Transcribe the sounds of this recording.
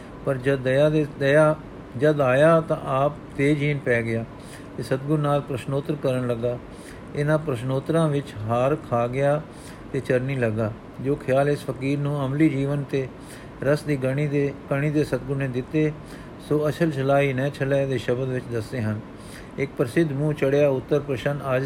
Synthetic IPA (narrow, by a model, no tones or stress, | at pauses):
pəɾd͡ʒəd̪ad̪əjaː | d͡ʒəd̪aːjaːt̪ã̰ːʔaːp̚ | t̪eːd͡ʒiːnpɛːɡɪjaː | t̪eːsət̪ɡʊɾnaːlpɾəʃnoːt̪ɾkəɾəɳləɡaː | ɪnãːpɾəʃnoːt̪ɾãːʋɪt͡ʃɦaːɾkʰaːɡɪjaː | t̪eːt͡ʃəɾniːləɡaː | d͡ʒoːkʰɪjaːlɪspəkiːɾnũːəmliːd͡ʒiːʋənt̪eː | ɾəsd̪iːəekəɳ̃iːd̪eːsət̪̚ɡʊɾneːd̪ɪt̪ːeː | soːət͡ʃʰəlt͡ʃʰəlaːiːnɛ̃ːt͡ʃʰəlɛːd̪eːʃəbəd̪ʋɪt͡ʃd̪əseːɦən | ɪk̚pɾəsɪd̪mũːt͡ʃəɽejaːʊt̪ːəɾpɾəʃənəd͡ʒ